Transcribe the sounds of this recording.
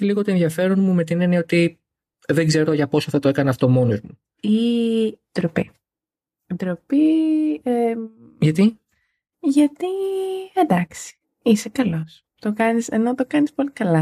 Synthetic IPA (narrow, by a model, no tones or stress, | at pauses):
iliɣot̪oenðiɐfe̞ɾonmume̞t̪inenio̞t̪i | ðeŋɡze̞ɾo̞ʝɐpo̞soθɐt̪oe̞kɐnɐɐft̪o̞mo̞no̞zmu | i | d̪ɾopi | d̪ɾopie | ʝɐt̪i | ʝɐt̪iend̪ɐksi̥ | isekɐlo̞s | t̪okɐnise̞̰no̞t̪okɐnispo̞likɐlɐ